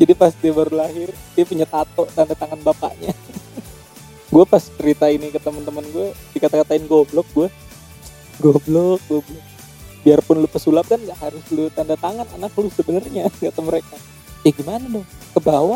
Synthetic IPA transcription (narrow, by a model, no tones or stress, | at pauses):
d͡ʒadipast̪iabaɾulaɦɪrdiapuɲat̪at̪ɔʔt̪andat̪aŋanbapa̰ʔɲa | ɡuapast͡ʃəɾit̪ainikət̪əmənt̪əmənɡuadikat̪akat̪aɪnɡoblɔk̚ɡua | ɡɔblɔk̚ɡuablɔk̚ | biarpʊnlʊpəsulap̚kanɡaʔɦaɾʊslʊt̪andat̪aŋana̰naklʊsəbənərɲaɡat̪aməɾeka | jaɡimanadɔŋkəbawa